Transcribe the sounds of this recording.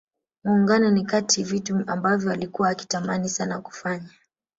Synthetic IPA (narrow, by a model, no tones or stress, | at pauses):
muːŋɡanɔnikatʰivituambavjɔalikuwaːki̥tamanisanaku̥faɲa